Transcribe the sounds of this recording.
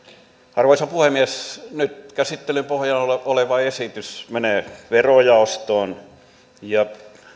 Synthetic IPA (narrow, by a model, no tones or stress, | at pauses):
ɑrʋoisɑpuhemiesnyt̪kæsit̪ːelympohjɑnooleʋɑesit̪ysmeneːʋerojɑost̪oːn | jɑ